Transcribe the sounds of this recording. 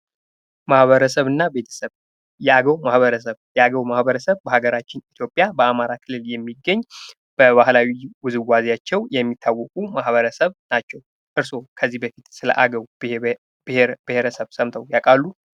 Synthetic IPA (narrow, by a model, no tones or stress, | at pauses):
mahβəɾəsəβɨnːabe̞t̪ʰə̥səβ | jɛaɡəwmahβəɾəs̬əβjɛaɡəwmahbəɾəsəβbəhaɡəɾat͡ʃːɪnit̪ʰjo̞pʼːjabəamaɾakʰɨlːɨljɛmːiɡːəɲː | b̥əβahlawiwʊzɨwːazjat͡ʃːɛwjɛmːit̪ʰːawːɔkʼumahβəɾəsəβnat͡ʃːɛw | ʔɨɾso̞kʰəzːihbəfit̪sɨlə̰ʔaɡəw | b̥eb̥ɨheɾəsəβsəmt̪ʰəwjakʼalːu